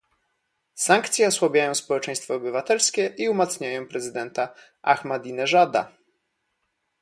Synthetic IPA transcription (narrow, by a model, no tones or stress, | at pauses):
saŋkt̪sʲjɛɔswabʲjajɔ̃w̃spɔwɛt͡ʂɛ̃j̃st̪fɔːbɘvat̪ɛlskʲɛʔiumat̪sɲajɔ̃w̃pɾɛzɘd̪ɛnt̪a | a̰xmad̪inɛʐad̪a̰